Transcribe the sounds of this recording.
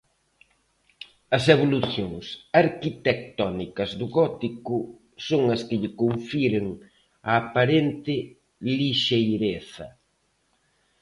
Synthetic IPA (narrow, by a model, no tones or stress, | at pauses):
ɐseβoluθjoŋsaɾkit̪ek̚t̪ɔnikɐzðʊɣɔt̪ikʊ | soŋɐskɪʎɪkoɱfiɾɪŋ | ɐːpaɾent̪ɪ | liʃejɾeθɐ̰